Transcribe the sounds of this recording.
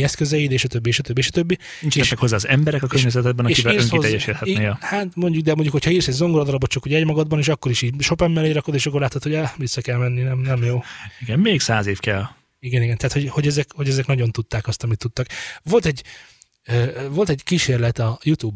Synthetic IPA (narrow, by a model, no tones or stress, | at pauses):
ɛskøzɛid̪eːʃɒt̪øbːieʃɒt̪øbːieːʃɒt̪øbːi | int͡ʃɛɛʃmɛkho̞zːaːzɛmbɛɾɛkɒkørɲɛzɛt̪ɛd̪̚bɛnɒʃivɛlːøsŋiɛːɛʃit̪hɛt̪ːnejhaːt̪mo̞ɲɟuɡ̚d̪ɛmo̞ɲɟukhocʰɒiːrsɛɟzo̞ŋɡoɾɒd̪ɒɾɒbot̪̚t͡ʃɒkuɟɛɛɟmɒɡɒd̪̚bɒneʃɒkːo̞ɾiʃiːɟʃo̞pɛmːɛleːɾɒkod̪eːʃɒkːorlaːt̪hot̪hoɟavisːɒkɛlmɛnːinɛmnɛmjoːiɡɛnmeːksaːzeːfkɛl | iɡɛniɡɛnɛɦːt̪ho̞ɟho̞ɟɛzɛkho̞ɟɛzɛknɒɟo̞nt̪ut̪ːaːkɒst̪ɒmit̪ːut̪ːɒkʋo̞lt̪ɛɟ | øvo̞lt̪ɛɟkiʃeːrlɛt̪ɒjut̪uːb